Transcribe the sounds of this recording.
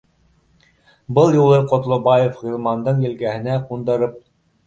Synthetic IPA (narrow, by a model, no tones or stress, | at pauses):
bɤlˠjulˠɤqŏt̪lˠŏbɑjefʁilˠmɑnd̪ɤɴjɘ̆lɡæhɘ̆næqund̪ɤ̆ɾɤp̚